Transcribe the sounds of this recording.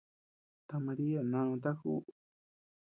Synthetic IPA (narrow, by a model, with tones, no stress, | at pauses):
t̪a˧mã˧ɾi˦a˨nã˧õ˧t̪a˦kṵ˦